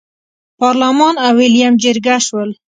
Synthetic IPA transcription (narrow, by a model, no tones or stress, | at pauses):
pɑɾlamɑnawɪljamd͡ʒɪɾɡaʃwəl